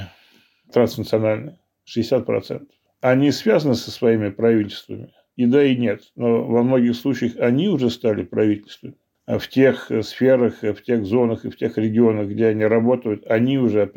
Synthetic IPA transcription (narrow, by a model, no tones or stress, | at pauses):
t̪ɾansnət̪sɨɐnalʲnə | ʂɨɪsʲat̪̚pɾɐ̰t̪sɛ̰nt̪ə̥f | ɐnʲisvʲazənɨsə̥svɐimʲɪpɾɐvʲitʲɪlʲst̪və̰mʲɪ | id̪aɪnʲe̞t̪no̞vɐmno̞ɡʲɪxslˠut͡ɕɪjəxɐnʲiʊʐɛst̪alʲɪpɾɐvʲitʲɪlʲst̪vəmʲɪ | ftʲe̞xsfʲeɾəxftʲe̞xzo̞nəxɨftʲe̞xɾʲɪɡʲɪonəxɡdʲeɐnʲiɾɐbo̞t̪əjʊt̪ɐnʲiʊʐɛ